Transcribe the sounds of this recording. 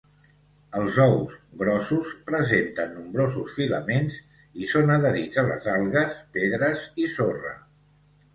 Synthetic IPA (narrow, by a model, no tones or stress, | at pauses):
əlˠzɔwzβɾɔsuspɾəzent̪ənːumbɾozusfiləmenz | isonəðəɾid͡zələ̰zalˠɣəspeðɾəzisorə̰